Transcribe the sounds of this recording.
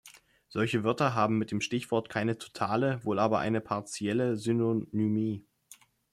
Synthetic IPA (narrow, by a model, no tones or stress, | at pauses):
z̥ɔlçəvʏɐtɐɦaːbm̩mɪt̚d̥eːmʃtɪçv̥ɔɐtkʰaɪnətʰo̥tʰaːləvoːlaːbɐʔa̰ɪnəpʰaɐt͡sjɛləzynonymiː